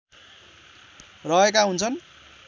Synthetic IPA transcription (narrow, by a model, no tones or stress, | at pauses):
rʌekaɦunt͡sʰʌn